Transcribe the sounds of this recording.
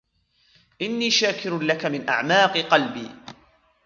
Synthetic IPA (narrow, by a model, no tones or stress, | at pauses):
ʔɪnːiːʃaːkɪɾlakamɪnʔa̰ʕmaːqɨqɑlbiː